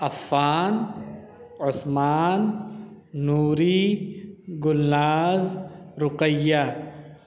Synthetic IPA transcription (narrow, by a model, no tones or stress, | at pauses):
ɐfːaːn | ʊsmaːnː | uːɾi | ɡʊlːaːzɾʊqəjːa